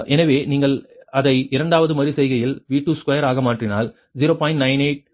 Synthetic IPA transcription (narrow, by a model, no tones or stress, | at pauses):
ʔɛnɐʋeːniːŋɡɐɭɐðɐɪɪɾɐɳɖaːʋɐðɯmɐɾisɛjɣɐjɪlʋiːʈːuːskɐjɐɾaːɣɐmaːʈrɪna̰ːl | zɪɾoːpaːɪnʈnɐɪnɐɪʈ̚